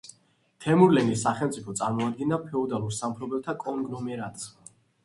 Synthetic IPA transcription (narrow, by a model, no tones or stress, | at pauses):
t̪ʰɛmuɾlɛnisaχɛlˠmt̪sʼipʰɔt̪sʼaɾmɔad̪̚ɡinapʰɛɔd̪alˠuɾsampʰɾɔbɛlt̪ʰakʼɔŋɡnɔmɛɾat̪ʼsma